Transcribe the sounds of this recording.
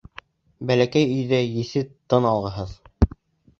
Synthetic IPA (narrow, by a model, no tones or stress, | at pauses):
bælækæjɵ̆jðæjɘ̆θɘt̪ɤnɑlˠʁɤ̆ɦɤð